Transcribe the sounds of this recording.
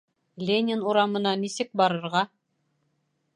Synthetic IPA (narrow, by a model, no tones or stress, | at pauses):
lʲenʲɪnuɾɑmɤ̆nɑnisɘk̚bɑɾɤ̆ɾʁɑ